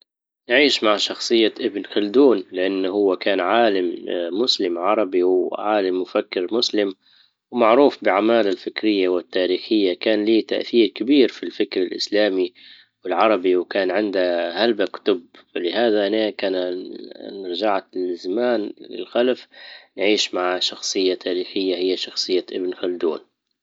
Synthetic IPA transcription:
nʕiːʃmaʕʃɑxsˤɨjːaʔɪbnxʊld̪uːnlɪʔanːɦʊwːakaːnʕaːlɪmːʊslɪmʕɑɾˤɑbiwʕaːlɪmːʊfakːɪɾmʊslɪm | wmaʕɾuːfbɪʕamaːlalfɪkɾɪjːawɪt̪ːaːɾiːxɪjːakaːnliːt̪aʔθiːɾkabiːɾfilfɪkɾɪlʔɪ̰slaːmi | wɪlʕɑɾˤɑbiwkaːnʕɪnd̪ahalbakʊ̥t̪ʊbfalɪhaːðaʔanaːkaːnanɾd͡ʒaʕt̪lɪzamaːnlɪ̰lxalafnʕiːʃmaʕʃɑxsˤɨjːat̪ʰaːɾiːxɪjːahɪjːaʃɑxsˤɨjːaʔɪbnxald̪ṵːn

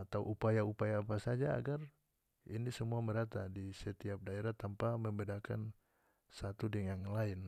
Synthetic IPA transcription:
at̪awʔupajaupajaːpasad͡ʒaa̰ɡar | inisəmuaməɾat̪adisət̪iap̚daeɾaht̪ampaməmbɛdakan | sat̪udɛŋaŋlaɪn

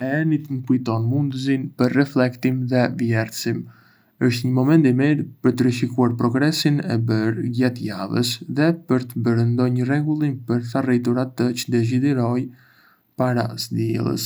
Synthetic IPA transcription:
ɛɛnit̪ŋəkujt̪ɔnmund̪əzinpəɾːɛflɛkt̪imðɛvjɛɾsim | əʃt̪ɲəmɔmɛnt̪imiɾpəɾt̪əɾəʃikuaɾpɾɔɡɾɛsinɛbəɾɡɛt̪javə̰sðɛpəɾt̪əbəɾənd̪ɔɲərɛɡulˠimpəɾθarit̪̬uɾat̪ət͡ʃə̥d̪ɛʃ̬id̪iɾɔj | paɾa̰zd̪iɛ̰lˠə̰s

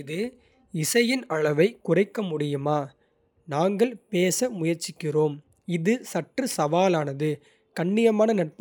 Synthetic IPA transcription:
ɪðɯ | ɪsɐjɪnɐɻɐʋɐɪkʊrɐɪkːɐmʊɽɪjɯmaː | naːŋɡɐɭpeːsɐmʊjɐɾt͡ʃːɪkːɪroːm | ɪðɯsɐʈːrɯsɐʋaːlaːnɐðɯ | kɐɳːɪjɐmaːnɐnɐʈ̚p

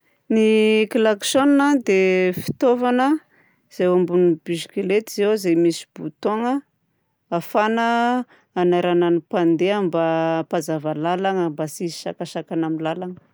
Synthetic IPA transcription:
nikilaksonnad̪efi̥t̪ovanə | z̥ejambunibiʃikilet̪izewzemisi̥b̥ut̪oŋə | afanəː | naɾananipand̪eambapazavalalaŋəmbasizi̥ʃa̰kaʃakanamilalaŋə̥

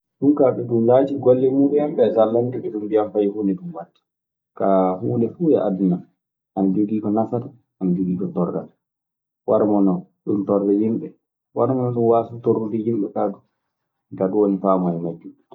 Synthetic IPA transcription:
ɗumkaɓɛɗumlaːd͡ʒiɡolːɛmuːɓɛamɓɛzalːandiɓɛɗumbijamfajihunɛɗumwatːi̥ | kahuːnɛfuːjɛʔaduna | ʔanad͡ʒuɡiːkɔnafata | ʔanad͡ʒuɡiːkɔtɔrːa̰ta | waɾmɔnɔɗumtɔrːɛjimɓɛ | waɾmɔnɔɗumwaːsutoɾːudijimɓɛkaɡu | ɡaɗuwonifaːmɛjmad͡ʒːu

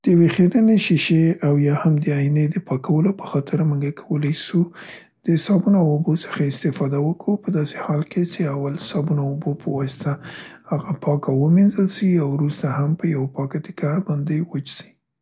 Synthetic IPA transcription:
d̪̥əjawexeɾəneʃiʃeawjɑhamd̪əajined̪əpɑkʰawəlopə̥xɑt̪ʰəɾməŋɡakʰawəlajʃu | d̪̥əsɑbunoawobosə̥xaɪst̪ɪfɑd̪awəkawupəd̪ɑsehɑlkʰet͡ʃeawalsɑbunaobopʰəwɑsɪ̥t̪ahaɣapʰɑkawəminzəlsiawɾust̪ahampəjawapɑkat̪ɪ̥kabɑnd̪ewət͡ʃsi̥

